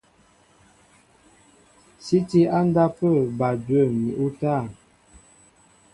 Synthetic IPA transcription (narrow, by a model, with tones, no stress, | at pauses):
si˦ti˦a˦n˦da˦pə˦˨ba˨dwə˦˨mḭ˨ʔu˦ta˦˨